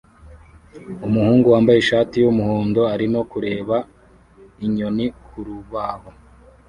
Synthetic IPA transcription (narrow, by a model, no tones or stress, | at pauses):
umuhuːŋɡuwaːmbajeʃaːtijumuhoːndo̞aɾino̞kuɾe̞ːβa | iɲo̞nikuɾuβaho̞